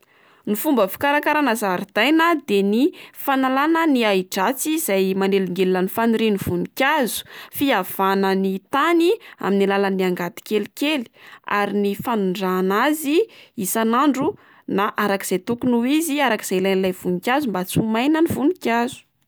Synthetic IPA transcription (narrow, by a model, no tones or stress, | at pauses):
nifumbəfi̥kaɾakaɾanazaɾid̪̥ajnəd̪enifanalanəniaiʈ͡ʂat͡siz̥ajmaneliŋɡellanifanuɾiniv̥unikʲazu̥fiav̥anənit̪ania̰minilalaniaŋɡat̪i̥kelikeli̥a̰ɾinifanuɳɖ͡ʐaːnaziisanaɳɖ͡ʐu | naʔaɾaki̥z̥ajt̪ukunuiziaɾaki̥z̥ajlajnilajv̥unikʲazumbat͡sumajnənivunikʲazu̥